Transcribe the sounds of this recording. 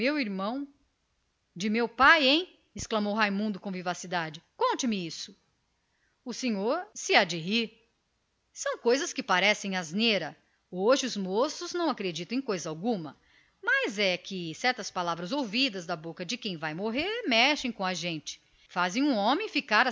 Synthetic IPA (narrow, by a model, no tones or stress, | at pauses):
ewiɾmɐ̃w̃ | d͡ʒɪmewpajẽj̃ | ɪsklɐmowɦajmũnd̪ʊkõvivasid̪ad͡ʒɪkõnt͡ʃɪmɪisʊ̥ | ʊsẽɲoɾsɪad͡ʒɪɦi | sɐ̃w̃kojzɐskɪpaɾɛsẽj̃azneɾɐ | oʒɪʊzmosʊznɐ̃w̃akɾed͡ʒit̪ɐ̃ẽj̃kojzɐawɡũmɐ | mɐzɛkɪsɛɾt̪ɐspalavɾɐzowvid̪ɐzd̪ɐbokɐd͡ʒɪkẽj̃vajmoɦeɾmɛʃẽj̃kõɐʒẽnt͡ʃɪ̥ | fazẽj̃ũõmẽj̃fikaɾɐ